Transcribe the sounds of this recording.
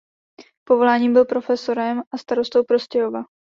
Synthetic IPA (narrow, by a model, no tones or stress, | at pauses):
povo̞laːɲiːmbɪlpɾo̞fɛso̞ɾɛmʔast̪aɾo̞st̪o̞wpɾo̞scɛɦova